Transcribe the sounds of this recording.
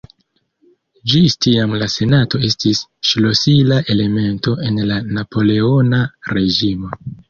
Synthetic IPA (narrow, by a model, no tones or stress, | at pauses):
d͡ʒistiamlase̞nato̞e̞stisʃlo̞silaʔe̞le̞me̞nto̞ʔe̞nlanapo̞le̞o̞naɾe̞d͡ʒimo̞